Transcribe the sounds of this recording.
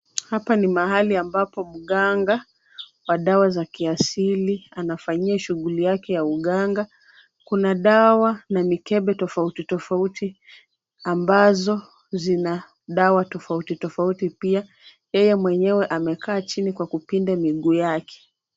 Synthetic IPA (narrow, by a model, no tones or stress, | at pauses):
hapanimaɦaliambapɔm̩ɠaŋɡa | waɗawazakiasilianafaɲiaʃuɣulijakɛjauɠaŋɡa | kunaɗawanamikɛɓɛtɔfautitɔfauti | ambazɔ | zina | ɗawatɔfautitɔfautipia | jɛjɛmwɛɲɛwɛʔamɛkʰaːt͡ʃinikwakupindamiɠuːjakʰɛ̥